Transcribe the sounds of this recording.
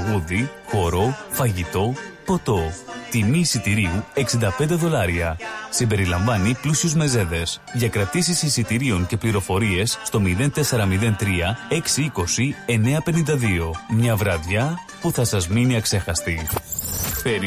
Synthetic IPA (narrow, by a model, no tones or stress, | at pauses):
ɣuðixo̞ɾo̞fɐʝit̪o̞po̞t̪o̞t̪imisit̪iɾiue̞ksind̪ɐpe̞nd̪e̞ðo̞lɐɾiɐsimbe̞ɾilɐɱvɐniplusiuzme̞ze̞ðe̞sðʝɐkɾɐt̪isisisit̪iɾio̞ɲce̞pliɾo̞fo̞ɾie̞sːt̪o̞miðe̞nt̪e̞seɾɐmiðe̞nt̪ɾiɐe̞ksiiko̞sie̞ne̞ɐpe̞nind̪ɐðio̞mɲɐvɾɐðʝɐ | puθɐsɐzminiɐkse̞xɐst̪i | peɾ